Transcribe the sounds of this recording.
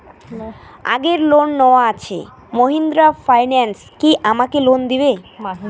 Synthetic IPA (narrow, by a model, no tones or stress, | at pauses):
a̰ɡeɾlonːɔoaat͡ɕʰḛ | moɦind̪ɾafʰajnenskiʔamakelond̪ibe